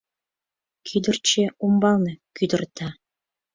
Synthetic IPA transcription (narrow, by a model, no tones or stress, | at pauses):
kʰyd̪ə̆rt͡ɕeumbɑlˠnɤ̆kʲyd̪ə̆rt̪ɑ